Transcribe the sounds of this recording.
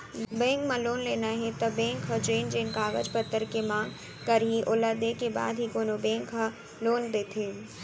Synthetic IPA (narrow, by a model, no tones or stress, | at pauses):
bɛ̃ːŋɡmãloːnleːnaɦɛt̪ɐbẽːŋkʰɦɐd͡ʒeːnd͡ʒeːnkaːɡə̰d͡ʒpət̪ːəɾkemãːŋɡ | kɐɾɦiʔʊləd̪eːkeba̰ːd̪ɦikoːnobẽːŋkʰɦa | loːnd̪eːt̪ʰeː